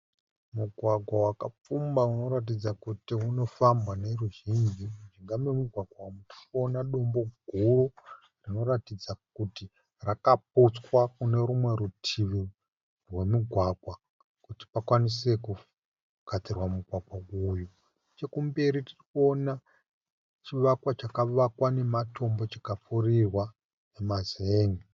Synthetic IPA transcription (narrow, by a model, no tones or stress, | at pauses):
muɡʱwaɡʱwawakap͡fumbauno̞ɾat̬id͡zakutiuno̞fambwane̞ruʒind͡ʒiʐiŋɡamemuɡʱwaɡwamu̥ʃonaɗo̞mbo̞ɡʱuru | rino̞ɾatid͡zakuti | rakap̚ut͡swakune̞ɾumwe̞ɾutʰiʋi | rwe̞muɡʱwaɡʱwa | kuti̥pakwanise̞ku | katirwamuɡʱwaɡwauju | t͡ʃe̞kumbe̞ɾitirikuo̞na | t͡ʃiʋakwat͡ʃakaʋakwane̞matʰo̞mbo̞t͡ʃekafurirwa | emazeːŋi